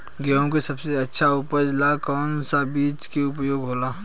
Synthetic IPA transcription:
ɡɛõk̬esɐbseɐtːʃʰaʊpəɾd͡ʒlakɔːnsabiːt͡ʃkeʊp̬joːɡɦoːlaː

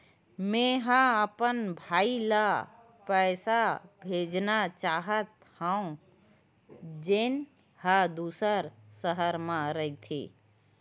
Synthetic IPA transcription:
mẽɦãəpənbʱaːila | pəːsabʱeːd͡ʒnat͡ʃaːɦət̪ | hə̃ | d͡ʒen | had̪usəɾsəɦəɾmãɾəit̪ʰḭ

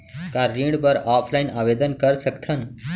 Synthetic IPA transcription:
kaːɾːĩːɖpəɾaːpʰlaːinaːʋeːd̪ənkəɾsəkt̪ʰən

